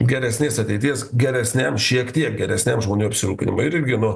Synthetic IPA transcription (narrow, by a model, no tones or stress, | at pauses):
ɡʲɛɾʲɛsʲnʲeːsɐt̪ʲɛɪt̪ʲiɛsɡʲɛɾʲɛsʲnʲɛmʃʲiɛkt̪ʲiɛk̚ɡʲɛɾʲɛsʲnʲɛmʒmoːnʲuːɐpʲsʲɪɾuːpʲɪnʲɪ̰mʊɪɪɾʲɡʲɪnʊ